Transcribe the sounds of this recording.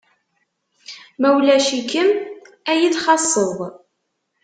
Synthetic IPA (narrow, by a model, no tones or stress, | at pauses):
mæwlæʃikəm | æjiðχɑsˤːəðˤ